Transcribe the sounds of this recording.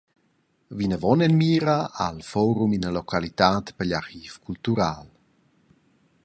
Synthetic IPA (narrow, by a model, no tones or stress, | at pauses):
vinəvɔnɛnmiːɾaalfɔɾuminəlɔkʰalit̪aːt̪pəʎaɾxiːfkʰult̪uɾaːl